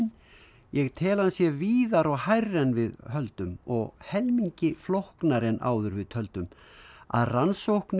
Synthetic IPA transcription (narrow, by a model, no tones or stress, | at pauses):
n | jɛɣt̪ʰɛːlansjɛviːðaɾɔɣhajrːɛnvɪðhœlt̪ʏmɔɣhɛlmiɲcɪflowhknaɾɛna̰ːwðʏɾvɪðt̪ʰœlt̪ʏma̰ðransowhkn